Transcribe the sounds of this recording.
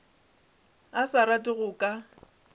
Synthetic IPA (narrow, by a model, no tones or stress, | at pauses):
asaɾatʼɪɣʊkʼa